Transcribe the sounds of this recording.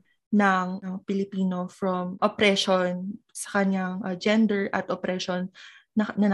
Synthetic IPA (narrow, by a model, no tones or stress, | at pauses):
nɐŋɐpɪlɪpiːno̞fɹɐmʔopɾɛʃonsɐ̥kɐɲaŋʔɐd͡ʒɛnd̪ɛɹʔɐ̰t̪ʔopɾɛʃonːɐnɐn